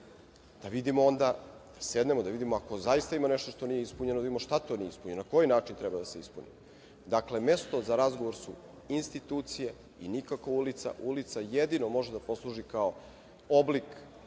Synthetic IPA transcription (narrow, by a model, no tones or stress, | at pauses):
d̪̥aʋid̪imoo̞nd̪ad̪̥ase̞d̪ne̞mod̪aʋid̪imoako̞zajist̪aimane̞ʃt̪oʃt̪o̞nijeispuɲenod̪aid̪imʃt̪at̪o̞nijeispuɲenonako̞jinaːt͡ʃint̪ɾɛbad̪ase̞ispunḭ | d̪akle̞mest̪o̞zaɾazɡo̞ʋoɾsu | inst̪it̪uːt̪sije | inikakʋaulit̪sa̰ʔulit̪sajed̪ino̞mo̞ʒed̪apo̞slˠuʒikao | oblik